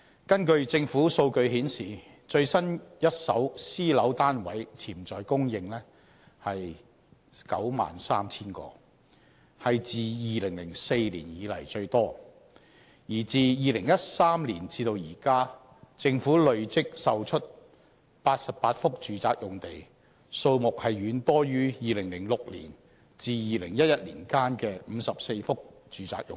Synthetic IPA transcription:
kɐ˥nkɵ˧ɥt͡sɪ˧ŋfuː˨˥so˧wkɵ˧ɥɦiː˨˥nsiː˨ | t͡ʃɵ˧ɥsɐ˥njɐ˥t̚sɐ˨˥wsiː˥lɐ˨˥wt̪aː˥nwɐ˨˥jt͡sʰiː˨˩mt͡sɔː˨jkʊ˥ŋjɪ˧ŋlɛː˥ | hɐ˨j | kɐ̰˨˥wma̰ː˨nsaː˥mt͡sʰiː˥nkɔ̰ː˧ | hɐ˨jt͡siː˨jiː˨˧lɪ˨˩ŋlɪ˨˩ŋse˧jliː˨˩njiː˨˧lɐ˨˩jt͡ʃɵ˧ɥt̪ɔː˥ | jiː˨˩t͡siː˨˧jiː˨lɪ˨˩ŋjɐ˥t̚saː˥mliː˨˩nt͡sʰiː˧t̪o˧wjiː˨˩kaː˥ | t͡sɪ˧ŋfuː˨˥lɵ˨ɥt͡sɪ˥k̚sɐ˨wt͡ʃʰɵ˥t̚ | paː˧t̚sɐ˨p̚paː˧t̚fʊ˥k̚t͡ʃyː˨t͡saː˧k̚jʊ˨ŋt̪e˨˩j | so˧wmʊ˨k̚hɐ˨jːyː˨˥nt̪ɔː˥jyː˥jiː˨lɪ˨˩ŋlɪ˨˩ŋlʊ˨k̚lḭː˨˩n | t͡siː˨jiː˨lɪ˨˩ŋjɐ˥t̚jɐ˥t̚lḭː˨˩nkaː˥nkɛː˧m̩˨˧sɐ˨p̚se˧jfʊ˥k̚t͡ʃyː˨˩t͡sa̰ː˧k̚jʊ̰˨ŋ

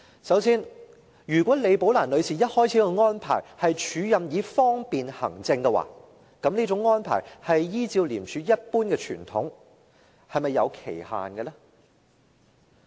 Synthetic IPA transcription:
sɐ˨˥wsiː˥n | jyː˨˩kʷɔː˨˥le˨˧jpo˨˥wlaː˨˩nlɵ˨˧ɥsʰiː˨˩jɐ˥t̚hɔː˥jt͡sʰiː˨˥kɔ˧ŋɔː˥npʰa̰ː˨˩jhɐ˨jt͡ʃʰyː˨˥jɐ˨mjiː˨˧fɔː˥ŋpiː˨nhɐ̰˨˩ŋt͡sɪ˧ŋkɛ˧wa̰ː˨˩ | kɐ˨˧˥mni˥t͡sʊ˨˥ŋːɔː˥npʰa̰ː˨˩jhɐ˨jːiː˥t͡siː˧wliː˨˩mt͡ʃʰyː˨˧jɐ˥t̚puː˥nkɛː˧t͡ʃʰy̰ː˨˩nt̪ʰʊ˨˥ŋ | hɐ˨jmɐ˨jːɐ˨˧wkʰḛ˨˩jha̰ː˨nɡɛ˧lɛː˥

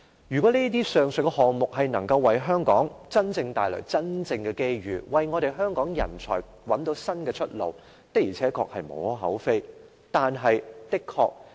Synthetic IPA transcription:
jyː˨˩kʷwɔː˨˥niː˥t̪̬iː˥sœː˨ŋsɵ˨kɛ˧hɔː˨˩ŋmʊ˨k̚hɐ˨jnɐ˨˩ŋkɐ˧wːɐ˨jɦœː˥ŋkɔː˨˥ŋt͡sɐ˥nt͡sɪ˧ŋt̪aː˨jlœ̰˨˩t͡sɐ˥nt͡sɪ˧ŋkɛː˧ke˥jɥyː˨˩wɐ˨˩jŋɔː˨˧ɾe˨jɦœː˥ŋkɔː˨˥ŋjɐ̰˨˩nt͡sʰɔ̰ː˨˩j | wɐ˨˥nt̪o˨˥wsɐ˥nkɛː˧t͡ʃʰɵ˥t̚lo̰˨w | t̪ɐ˥k̚jiː˨˩t͡sʰɛː˨˥kʰɔ̰ː˧k̚hɐ˨jmo̰˨˧˥whɔː˨˥ɦɐ̰˨˥wfe˥j | t̪aː˨nɦɐ˨jt̪ɪ˥kʰːɔ̰ː˧k̚

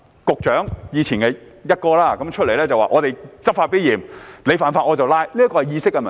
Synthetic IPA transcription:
kʊ˨k̚t͡ʃœː˨˥ŋjiː˨˧t͡sʰiː˨˩nkɛː˧jɐ˥t̚kɔː˧laː˥kɐ˨˦mt͡ʃʰɵ˥t̚le˨˩jlɛː˥t͡sɐ˨wa̰ː˨˩ʔɔː˨˧t̪e˨jt͡sɐ˥faː˧t̚piː˥jiː˨˩mle˨˧jfaː˨˧nfaː˧t̚ʔɔː˨˧t͡sɐ˨wlaː˥jli˥ɐ˥kɔː˧hɐ˨jiː˧sɪ˥kːɛ˧mɐ˨

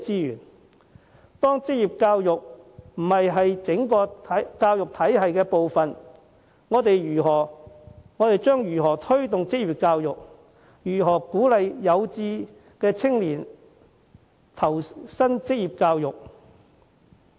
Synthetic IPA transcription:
t͡siː˥jy̰ː˨˩n | t̪ɔː˥ŋt͡sɪ˥k̚jiː˨˩p̚kaː˧wjʊ˨k̚m̩˨˩hɐ˨jɦɐ˨jt͡sɪ˨˥ŋkɔː˧ɐ˨kaː˧wjʊ˨k̚t̪ʰɐ˨˥jɦɐ˨jkɛː˧po˨wfɐ˨n | ŋɔː˨˧t̪e˨jjyː˨˩ɦɔː˨˩ | ŋɔː˨˧t̪e˨jt͡ʃœː˥ŋjyː˨˩ɦɔː˨˩t̪ʰɵ˥ɥt̪ʊ˨ŋt͡sɪ˥k̚jiː˨p̚kaː˧wjʊ˨k̚ | jyː˨˩ɦɔː˨˩kuː˨˥lɐ˨jːɐ˨˧wt͡siː˧ | kɛː˧t͡sʰɪ˥ŋliː˨˩n | t̪ʰɐ˨˩wsɐ˥nt͡sɪ˥k̚jiː˨p̚kaː˧wjʊ˨k̚

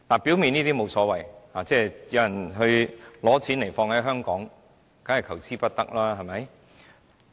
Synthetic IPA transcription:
laː˨˩piː˨˥wmi˨˧niː˥t̪iː˥mo˨˧wsɔː˨˥wɐ˨jhaː˨˩t͡sɛː˥jɐ˨˧˥wjɐ˨˩nɦɵ˧ɥlɔː˨˥t͡sʰiː˨˥nle˨˩jfɔː˧ŋhɐ˨˥jɦœː˥ŋkɔː˨˥ŋ | ka˨˥hɐ˨jkʰɐ˨˩wt͡sʰiː˥pɐ˥t̚t̪ɐ˥k̚laː˥ɦɐ˨jmɐ˨˧˥j

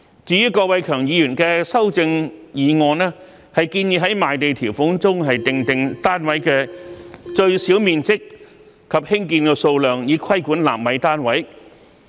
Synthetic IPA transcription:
t͡syː˨˧jyː˥kɔː˧wɐ˨˧jkʰœː˨˩ŋjiː˨˧jyː˨˩nkɛː˧sɐ˥wt͡sɪ˧ŋjiː˨˧ŋɔː˨˧nɛː˥ | hɐ˨jkiː˧njiː˧ɦɐ˨˥jmaː˨jt̪e˨jt̪ʰiː˨˩wfʊ˨˥ŋt͡sʊ˥ŋɦɐ˨jt̪ɪ˨ŋt̪ɪ˨˧ŋt̪aː˥nwɐ˨˥jkɛː˧ | t͡ʃɵ˧ɥsi˨˥wmiː˨nt͡sɪ˥k̚ | kʰːɐ˨p̚hɪ˥ŋkiː˧nkɛː˧so˧wlœː˨ŋjiː˨˧kʰɐ˥jkuː˨˥nla̰ː˨˩mːɐ˨˧jt̪aː˥nwɐ˨˥j

